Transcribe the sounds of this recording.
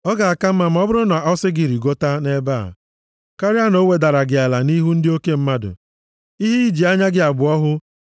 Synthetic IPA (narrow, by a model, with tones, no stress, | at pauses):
ɔ˦ɡa˨a˨ka˦m̩˦ma˦m̩˨˦ɔ˦bʊ˦ɾʊ˦na˨ɔ˦sɪ˦ɡɪ˨ɾi˨ɡo˦ta˦ne˦ba̰˦˨ | ka˦ɾɪ˦a˦no˦we˨da˨ɾa˨ɡɪ˨a˨la˨ni˦ɦu˦n̩˦dɪ˦o˦ke˦m̩˦ma˦dʊ̰˨ | i˦ɦi˦i˦d͡ʒi˨a˦ɲa˦ɡɪ˦a˨ɡ͡bʊ˨ɔ˦ɦʊ˦